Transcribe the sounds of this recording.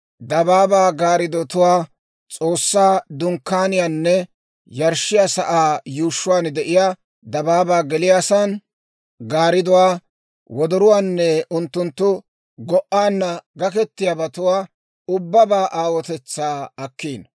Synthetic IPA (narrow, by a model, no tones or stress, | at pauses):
d̪ɐbaːbaːɡaːɾɪd̪ɔt̪ʊwaː | t͡sʼo̞ːsːaːd̪ʊŋkːaːnɪjaːnːɛ | jɐɾʃɪjasɐʔaːjuːʃːʊwaːnd̪ɛʔɪjaː | d̪ɐbaːbaːɡɛlɪjaːsɐn | ɡaːɾɪd̪ʊwaː | wɔd̪ɔɾʊwaːnːɛʊnt̪ːʊnt̪ːʊ | ɡɔʔaːnːɐɡɐkɛt̪ːɪjabɐt̪ʊwaː | ʊbːɐbaːʔaːwɔt̪ɛt͡sːaːɐkːiːn